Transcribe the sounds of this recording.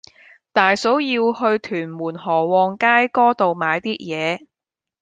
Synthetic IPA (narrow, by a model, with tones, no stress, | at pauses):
t̪aː˨jso˨˥wjiː˧whɵ˧ɥt̪ʰyː˨˩nmuː˨˩nhɔː˨˩wɔː˧ŋkaː˥jkɔː˥t̪o˨wmaː˨˧jt̪iː˥t̚jɛː˨˧